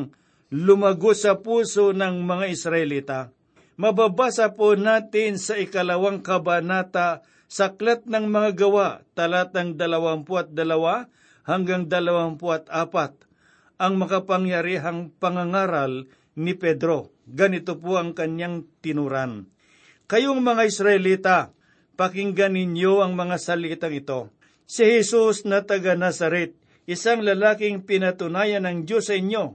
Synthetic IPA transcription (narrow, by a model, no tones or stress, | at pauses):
lʊmɐɡosɐpuːsonɐŋmɐŋaʔɪsɾɐʔɛlit̪a | mɐbabaːsɐponaːt̪ɪnsɐʔɪkɐlɐwaŋkɐbanat̪a | sɐklat̪̚nɐŋmɐŋaɡɐwaʔt̪ɐlat̪̚ɐŋd̪ɐlɐwampʊɐt̪̚d̪ɐlɐwa | hɐŋɡaŋd̪ɐlɐwampoɐt̪aːpat̪̚ | ʔɐŋmɐkɐpɐŋjɐɾiɦaŋpɐŋaŋaːɾal | nɪpɛd̪ɾo̞ | ɡɐnɪt̪opoɐŋkɐnjaŋt̪ɪnuɾan | kɐjoŋmɐŋaɪsɾɐʔɪliːt̪a | pɐkɪŋɡanɪnjoʔɐŋmɐŋasɐliːt̪ɐŋɪt̪o̞ | sɪhɛsusnɐt̪ɐɡanasɐɾɛt̪̚ | ʔɪsaŋlɐlaːkɪŋpɪnɐt̪ʊnaːjɐnɐŋd͡ʒosːɐɪɲjo̞